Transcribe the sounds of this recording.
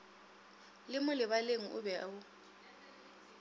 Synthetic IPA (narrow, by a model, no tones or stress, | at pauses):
lɪmʊlɪβaleŋ̩ʔṵβɛwʊ